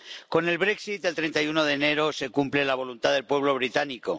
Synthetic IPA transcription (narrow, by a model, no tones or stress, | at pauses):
ko̞ne̞lβɾe̞ksit̪̚d̪e̞lt̪ɾent̪ajuno̞ð̞e̞ːne̞ɾo̞se̞kumple̞laβ̞o̞lunt̪aðe̞lpwe̞β̞lo̞βɾit̪aniko̞